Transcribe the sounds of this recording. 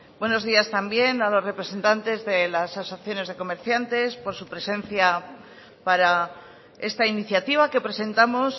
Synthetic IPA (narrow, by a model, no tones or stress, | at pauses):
bwe̞no̞zð̞iast̪ambje̞nalo̞sre̞pɾese̞nt̪ant̪e̞zðe̞lasasoθjo̞ne̞zð̞e̞ko̞me̞ɾθjant̪e̞spo̞ɾsupɾe̞se̞nθja | paɾa | e̞st̪ainiθjat̪iβ̞ake̞pɾe̞se̞nt̪amo̞s